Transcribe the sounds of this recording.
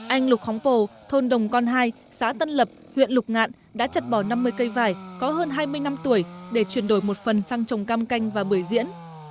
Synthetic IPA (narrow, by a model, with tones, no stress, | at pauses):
ʔa˧jŋ̟lʊ˨˩k͡p̚fɔ˨˦wŋ͡mpo˨˩t̪ʰo˧nɗə˨˩wŋ͡mkɔ˧nɦaː˧j | sa̰ː˧˥t̪ə˧nlə˨˩p̚ | hwḭ˧˨ənlʊ˨˩k͡p̚ŋa̰ː˧˨n | ɗa̰ː˧˥t͡ɕə˨˩t̚ɓɔ˧˩na˧mːɨ˧əjkə˧jvaː˨˩jkɔ˨˦ɦəː˧nɦaː˧jmɨ˧əjna˧mt̪u˧˩əjɗe˧˩t͡ɕwi˧˩ənɗo˧˩jmo˨˩t̚fə˨˩nsaː˧ŋt͡ɕə˨˩wŋ͡mkaː˧mka˧jŋ̟vaː˨˩ɓɨ˧˩əjzḭ˧˥ən